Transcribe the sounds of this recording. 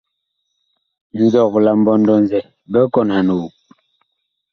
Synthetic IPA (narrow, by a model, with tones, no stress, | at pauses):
n̩˨zɔ˦˨kla˨m̩˦bɔ˦n˦dɔ˦n˨zɛ˨ | bɛ˦kɔ˦˨nha˨nu˨